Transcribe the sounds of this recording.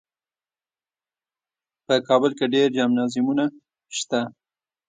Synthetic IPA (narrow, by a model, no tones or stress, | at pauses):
pəkɑbəlkeɖeɾd͡ʒɑmnɑzimuna | ʃt̪a